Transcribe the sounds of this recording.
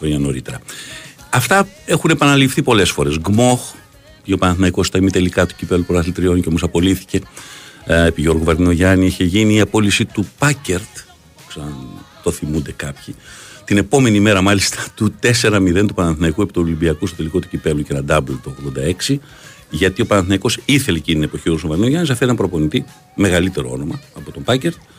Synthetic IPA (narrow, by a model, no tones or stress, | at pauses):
oiɲɐno̞ɾit̪e̞ɾɐ | ɐft̪ɐe̞xune̞pɐnɐlifθipo̞le̞sfo̞ɾe̞zɡmo̞x | ɲopɐnɐθmɐikost̪ɐimit̪e̞likɐt̪u̥cipe̞vlupoɾɐslit̪ɾio̞nceomo̞sɐpo̞liθi̥ce̞ | epiʝo̞ɾɣovɐɾðino̞ʝɐniiçe̞ʝiniːɐpo̞lisit̪upɐceɾt̪ | kseɐnt̪o̞θimund̪e̞kɐpçit̪ine̞po̞me̞nime̞ɾɐmɐlist̪ɐt̪ut̪e̞se̞ɾɐmiðent̪upɐnɐnθinɐikue̞pi̥t̪ulimbiɐkust̪ot̪e̞liko̞t̪u̥cipe̞vlucenɐd̪ɐblt̪ooɣðo̞nd̪ɐe̞ksi | ʝɐt̪io̞pɐnɐθinɐiko̞siθe̞lecint̪inepo̞çioɾusovɐɾðinoʝɐnis̬ɐft̪et̪ɐmpɾo̞po̞nit̪i | me̞ɣɐlit̪e̞ɾoo̞̰nomɐːpo̞t̪ombɐce̞ɾt̪